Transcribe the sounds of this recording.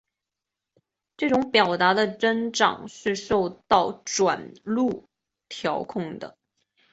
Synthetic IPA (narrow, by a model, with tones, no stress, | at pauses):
ʈ͡ʂɤ˥˩ʈ͡ʂʊ˧˥ŋpjɑ˨˩ʊt̪a˧˥d̪ə˧ʈ͡ʂə˥nʈ͡ʂɑ̰˨˩ŋʂɻ̩˥˧ʂo˥˧ʊt̪ɑ˥˩ʊʈ͡ʂwa̰˨˩nlu˥˩ | t̪ʰjɑ˧˥ʊkʰʊ˥˩ŋd̪ə̰˩